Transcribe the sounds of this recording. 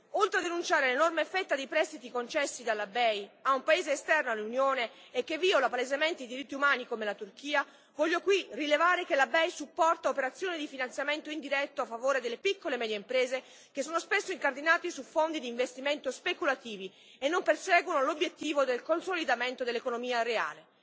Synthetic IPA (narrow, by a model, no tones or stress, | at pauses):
olt̪ɾead̪enunt͡ʃaːɾelenormefːɛt̪ːad̪ejpɾɛst̪it̪ikont͡ʃɛsːid̪alːabɛjaumpaeːzeːst̪ɛrnoalːunjoːneːkːevːiolapalezement̪eid̪iɾit̪ːiumaːnikomelat̪urkiːa | vɔʎːokwirilevaːɾekelabɛjsupːɔrt̪aopeɾat̪sːjoːnid̪ifinant̪sjament̪oind̪iɾɛt̪ːoafːavoːɾed̪elːepikːolemɛːd̪jeimpɾeːze | k̟esːoːnospesːoiŋkard̪inaːt̪isufond̪id̪iɱvest̪iment̪ospekulat̪iːvi | enːompersɛːɡwonolobjet̪ːiːvod̪elkonsolid̪ament̪od̪elːekonomiːarea̰ːle